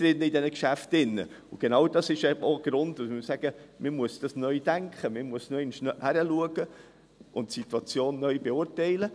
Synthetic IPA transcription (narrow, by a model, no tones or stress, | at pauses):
ɾɪnəɪdɛnəkʃæftɪnːə̰ | ʊɡ̥enɑwd̥ɑsɪʃɛoɡ̥ɾʊndʊsmɪsæɡ̥əmɪmuəsd̥ɑsnœʏd̥æŋkχəmɪmuəsnœɛɪnʃnhæɾəluəɡ̥ə | ʔʊntsit̪wɑt͡sjoːnːœjbeʊɾtɛɪlə